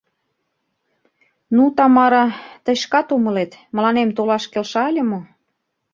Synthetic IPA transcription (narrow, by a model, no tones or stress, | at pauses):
nut̪ɑmɑɾɑt̪ə̆jʃkɑt̪umə̆let̪mə̆lɑnemt̪olɑʃkelʃɑlʲə̆mo